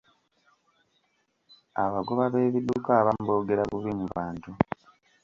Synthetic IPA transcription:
aβaɡoβaβe̞ːβid̪ukaβambo̞ːɡe̞ɾaβuβimuβaːntu

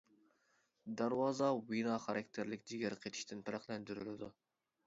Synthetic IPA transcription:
d̪ɑɾwɑːzɑwinɑːχɑɾɑkʲt̪ʰɪɾlɪkʲd͡ʒiɡʲæɾqʰet̪ʰi̥ʃt̪ɪnpʰɪɾæχlˠɛnd̪yɾylɪd̪u

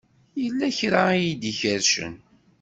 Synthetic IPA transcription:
jəlːæçɾaijid̪içəɾʃə̰n

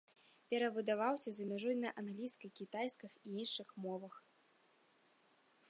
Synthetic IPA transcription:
pʲɛɾɐvɨd̪avawsʲɐzɐmʲaʐujnɐʔanɣlʲijskɐjkʲit̪ajskɐxiinʂɨxmɔvɐx

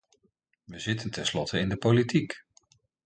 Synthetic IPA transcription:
ʋəzɪtəntɛnslɔtəɪndəpolitik

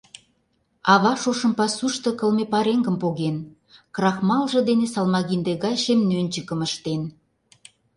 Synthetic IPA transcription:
ɑβɑʃoʃə̆mpɑsuʃt̪ɤ̆kə̆lmepɑɾeŋɡə̆mpoɣen | krɑxmɑlʒɤ̆d̪enesɑlmɑɣind̪eɣɑjʃemnønʲt͡ɕəkə̆məʃt̪en

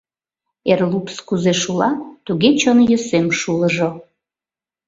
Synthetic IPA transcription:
erlupskuzeʃulɑt̪uɣet͡ɕonjəsemʃuləʒo

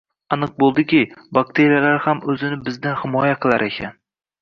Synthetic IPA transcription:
anɨq̚bolˠd̪ɪkʲɪbak̚ʲt̪ʰe̞ɾijalaɾhamɵzɪnɪbɪzd̪anhɪmɒjaqʰɨlˠaɾʔekʲʰa̰n

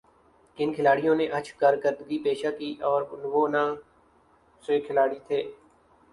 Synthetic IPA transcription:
kɪnkʰɪlaːɽijõːnẽʔət͡ʃʰkaːɾkəɾd̪ɡiːpeːʃaːkiːʔɔːɾnʋoːnaː | seːkʰɪlaːɽit̪ʰeː

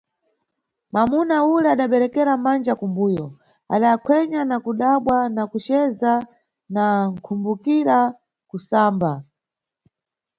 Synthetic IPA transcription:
mamunaulɛaɗaɓɛɾɛkɛɾamand͡ʒakumbuːjɔ | a̰ɗaːkʰwɛɲanakuɗaɓwanakut͡ʃɛza | naŋ̩kʰumbukiɾa | kusaːmba

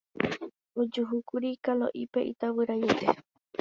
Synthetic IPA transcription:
od͡ʒuɦukuɾikalo̰ʔipeʔit̪awɨɾajet̪e

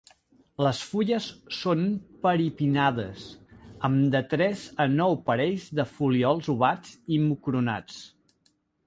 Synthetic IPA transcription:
ləsfuʎəsːonpəɾipinaðəsəmd̪ət̪ɾɛzənɔwpəɾɛʎzðəfuliɔlˠzuβad͡zimukɾuna̰t͡s

